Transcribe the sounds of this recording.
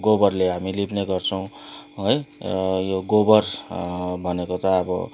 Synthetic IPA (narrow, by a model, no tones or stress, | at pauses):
ɡobʌrleɦamilipneɡʌrt͡sʰʌw̃ɦojjoɡobʌr | bʱʌnekot̪ʌːbʌ̰